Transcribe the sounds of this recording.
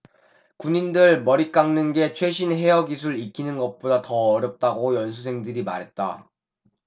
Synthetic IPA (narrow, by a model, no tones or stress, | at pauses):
kuɲindɯɭmʌɾik͈aŋnɯnɡe̞t͡ɕʰwe̞ɕ̬ʰinɦe̞ʌɡis̬ʰuɭik͈ʰinɯnɡʌp͈odatʌʌɾjʌp̚t͈aɡojʌns̬ʰusʰe̞ŋdɯɾima̰ɾɦe̞t̚t͈a̰